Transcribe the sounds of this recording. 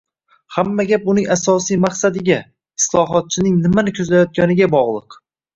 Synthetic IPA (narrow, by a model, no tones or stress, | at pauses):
hamːaɡʲap̚ʊnɪŋasɒsijmaqsad̪ɪɡʲa | ɪslˠɒɦɒt̪̚t͡ʃʰɪnɪŋnɪmanɪkʲʰɵzlajɒt̪̚ɡʲanɪɡʲabɒʁlˠɨq